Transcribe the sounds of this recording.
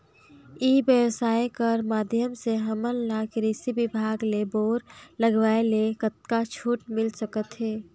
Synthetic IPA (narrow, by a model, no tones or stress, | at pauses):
iːbjəʋsaːjkəɾmaːd̪ʱjəmseɦəməlnakɾisibɪbʱaːɡleboːɾləɡʋaːelekət̪̚kat͡ʃʰuːʈmɪlsəkət̪ɦeː